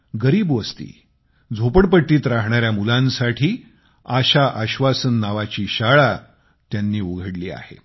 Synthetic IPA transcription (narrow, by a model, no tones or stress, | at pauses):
ɡəɾiːbʋəst̪ḭː | d͡zʱopəɽpəʈːiːt̪ɾaɦɳaɾjamulãnsaʈʰiː | aɕaʔəɕʋasənːaʋat͡ɕiːɕaɭa | t̪janːiːuɡʱəɽlḭːa̰hḛ